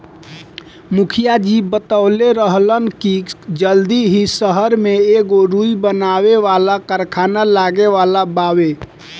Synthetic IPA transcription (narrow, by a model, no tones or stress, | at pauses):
mukʰijad͡ʒibət̪aleɾəɦlənkid͡ʒəld̪iɦisəɦəɾmeeɡoɾuibənaʋeʋalakəɾkʰanalaɡeʋalabawe